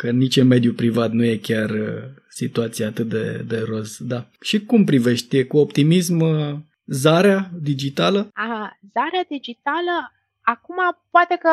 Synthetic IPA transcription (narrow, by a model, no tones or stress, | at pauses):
kənit͡ʃeme̞d̪jupɾivat̪nuje̞kʲarə | sit̪uat̪sijaːt̪ɨt̪̚d̪ḛd̪e̞ɾo̞sd̪aʃikumpɾive̞ʃt̪ekuo̞pt̪imism | zaɾead̪id͡ʒit̪aləaɦazaɾead̪id͡ʒit̪alə | akumapoat̪e̞kə